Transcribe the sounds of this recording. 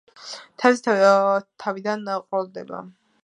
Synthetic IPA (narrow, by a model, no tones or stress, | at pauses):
t̪ʰasi | t̪ʰavid̪anqʼɔlˠd̪ɛba̰